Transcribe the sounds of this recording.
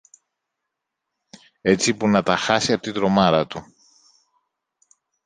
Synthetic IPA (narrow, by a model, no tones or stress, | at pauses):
e̞t͡sipunɐt̪ɐxɐsiɐpot̪id̪ɾo̞mɐɾɐt̪u